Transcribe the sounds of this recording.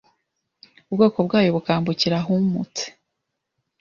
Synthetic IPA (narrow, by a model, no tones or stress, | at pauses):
ubɡo̞ːko̞b̚ɡaːjoβukaːmbuciɾaɦumute̥